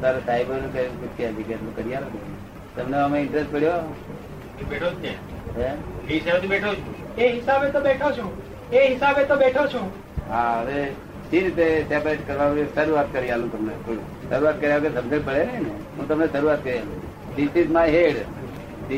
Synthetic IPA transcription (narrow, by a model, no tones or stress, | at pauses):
t̪aɾosajbəɾkəput͡ʃʰiad͡ʒiket̪lũkəɾijaloɡe | t̪əmneəmeɪɳʈɾesʈpəɽjo | ebeʈʰot͡ʃke | ɦeeisabt̪ʰibeʈʰot͡ʃʰũ | eɦɪsabet̪obeʈʰot͡ʃʰũ | eɦɪsabet̪obeʈʰot͡ʃʰũ | ɦãəʋe | ʃiɾit̪esepɾeʈkəɾʋaũkesəɾuat̪kəɾialũt̪əmnet̪ʰoɽũ | səɾuat̪̚kəɾjakesəmd͡ʒəɽpəɭeʋiine | ɦũt̪əmnesəɾuʋat̪kəɾijalũ | disismãɦeɽ